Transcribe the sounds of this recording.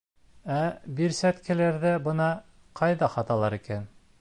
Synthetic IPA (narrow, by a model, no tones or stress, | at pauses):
æbiɾsæt̪kæ̆læɾðɘbɤ̆nɑ | qɑjðɑχɑt̪ɑlˠɑɾikæn